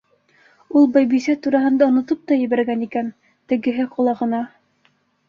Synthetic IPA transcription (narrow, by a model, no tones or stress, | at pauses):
ulˠbɑjbisæt̪uɾɑɦɤ̆nd̪ɑŏnŏt̪ɤp̚t̪ɑjɘ̆βæɾɡænikæn | t̪ɘ̆ɡɘ̆ɦɘqŏlˠɑʁɤ̆nɑ